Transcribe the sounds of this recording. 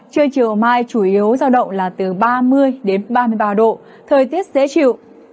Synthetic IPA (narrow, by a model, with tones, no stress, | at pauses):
t͡ɕɨ˧əŋt͡ɕḭ˨ə˨wmaː˧jt͡ɕu˧˩ʔi˨˦əwzaː˧wɗə̰˧˨wŋ͡mlaː˨˩t̪ɨ˨˩ɓaː˧mɨ˧əjɗe˨˦nɓaː˧mɨ˧əjɓaː˧ɗo̰˧˨ | t̪ʰəː˨˩jt̪i˦˥ət̚zḛ˧˥t͡ɕḭ˧˨ə˨w